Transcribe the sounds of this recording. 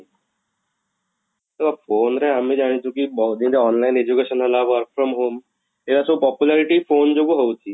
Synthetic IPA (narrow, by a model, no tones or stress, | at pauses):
t̪oapʰoːnɾɛɦəmẽd͡ʒaɽ̃it͡ʃʰũkibɔɦud̪ĩnd͡ʒaɔːnlaɪned͡ʒukeʃənɦəlaʋʋəɾkfʰɾɔmɦoːm | elasɔbpɔpjulaɾiʈipʰoːnd͡ʒoɡuɦowt͡ʃʰi